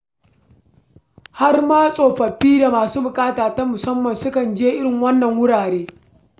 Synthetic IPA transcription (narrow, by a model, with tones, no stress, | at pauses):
ha˦rmaː˦sʼoː˨ɸɐ˨ɸːiː˦da˨maː˨suː˦bʊ˨kʼaː˦taː˨ta˦mʊ˨sɐ˦mːɐ˨nsʊ˦kɐ˨nd͡ʒeː˦ʔɪ˦ɽɪ˨ŋwɐ˦nːɐ˨ŋwʊ˦ɽaː˨ɽeː˦